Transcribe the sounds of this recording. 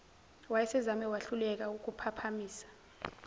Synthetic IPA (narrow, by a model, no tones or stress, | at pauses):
wajɛsɛzamɛwaɬulɛk̬ʼaukʼupʰapʰamiːsḁ